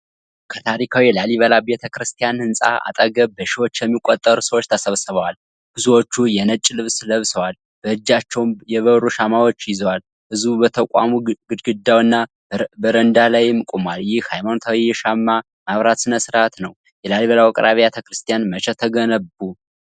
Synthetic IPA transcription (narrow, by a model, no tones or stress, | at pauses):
kʰət̪ʰaɾikʰawijɛlaliβəlabet̪ʰəkɾɨst̪ʰijanhɨnsʼa̰a̰t̪ʼəɡəbəʃɪwot͡ʃːjɛmːikʼot̪ʼːəɾusəwot͡ʃːt̪ʰəsəβsəβəwal | b̥ɨzuwo̞t͡ʃːujɛnət͡ʃʼːlɨβsləβsəwal | b̥əɨd͡ʒːat͡ʃːɛwmjɛβəβɾuʃamawo̞t͡ʃːjɪzəwal | bɨzubət̪ʰəkʷʼa̰muɡɨd̪ɡɨd̪ːawɨnːa | bəɾənd̪alajmkʼumaljɪhhajmanot̪ʰawiɛʃamːa | maβɾat̪sɨnəsɨɾat̪nəw | jɛlaliβəlawakʼɾaβiet̪ʰəkɾɨst̪ʰijanmət͡ʃʰʼɛt̪ʰəɡənəbu